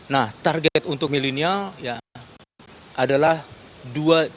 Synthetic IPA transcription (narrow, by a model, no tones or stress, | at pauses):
naht̪arɡɛt̪unt̪ʊk̚milinialja | ʔadalahdua